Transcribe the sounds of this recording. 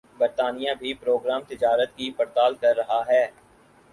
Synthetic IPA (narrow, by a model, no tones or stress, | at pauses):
bɐɾt̪aːnijabʱipɾoːɡɾaːmt̪ɪd͡ʒaːɾət̪kipɐɾt̪aːlkɐɾːɐɦaɦɛː